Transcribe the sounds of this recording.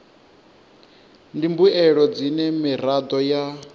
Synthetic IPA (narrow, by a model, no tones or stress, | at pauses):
ndimbuɛɺɔd͡zinɛmiɾad̪ɔja